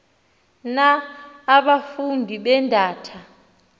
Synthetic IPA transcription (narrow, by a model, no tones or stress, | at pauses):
naː | ɓafundʱiɓɛndʱaːtʰa